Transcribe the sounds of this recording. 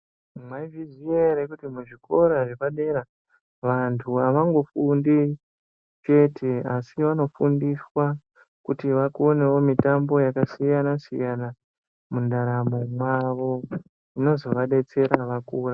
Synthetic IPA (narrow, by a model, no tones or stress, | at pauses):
mwaivizieɾekutimuʐiko̞ɾaʐekaɗeɾa | ʋantʰuaʋaŋɡo̞fundi | t͡ʃe̞tʰe̞asiʋano̞fundiswa | kutiʋakone̞wo̞mitambo̞jakasijanasḭjana | mundaɾamo̞mwaʋo̞ | ino̞zo̞ʋaɗe̞t͡se̞ɾaʋakuːra